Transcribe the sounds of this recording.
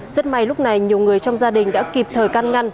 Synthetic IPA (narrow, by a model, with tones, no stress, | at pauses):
zə˦˥t̚ma˧˩jlʊ˦˥k͡p̚na˨˩jɲi˨˩əwŋɨ˨˩əjt͡ɕɔ˧wŋ͡mzaː˧ɗï˨˩ŋ̟ɗa̰ː˧˥ki˨˩p̚t̪ʰəː˨˩jka˧nŋa˧n